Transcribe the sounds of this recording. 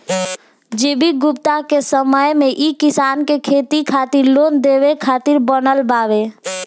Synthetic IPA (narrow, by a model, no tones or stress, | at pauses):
d͡ʒeːbiɡʊpt̪akesəməjmẽʔikɪsaːnkekʰeːt̪ikʰaːt̪ɪɾloːnd̪eːʋekʰaːt̪ɪɾbənəlbaːʋe